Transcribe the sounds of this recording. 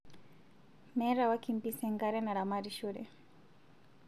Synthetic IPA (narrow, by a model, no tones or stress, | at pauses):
mɛɾawakimpisɛŋɡaɾɛnaɾamaɾiʃuɾɛ̰